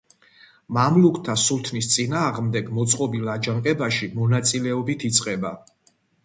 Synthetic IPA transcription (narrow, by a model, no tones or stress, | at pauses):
mamlukʰt̪ʰasult̪ʰnist̪sʼinaːʁmd̪ɛɡmɔt̪sʼqʼɔbilad͡ʒaŋqʼɛbaʃimɔnat̪sʼilɛɔbit̪ʰit̪sʼqʼɛba